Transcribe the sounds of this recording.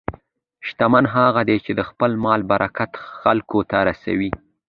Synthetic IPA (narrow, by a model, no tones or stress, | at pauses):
ʃt̪amanɦɑɣad̪et͡ʃed̪əxpəlmɑlbaɾʔakat̪xalkot̪aɾasa̰wi